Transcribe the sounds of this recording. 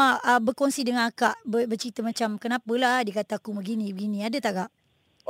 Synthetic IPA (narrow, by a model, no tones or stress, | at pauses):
aəbərkonsidəŋanakaʔbəbərt͡ʃɾit̪əmat͡ʃamkənapəlahdiəkat̪akubəɡinĩbəɡinĩadət̪aʔɡaʔ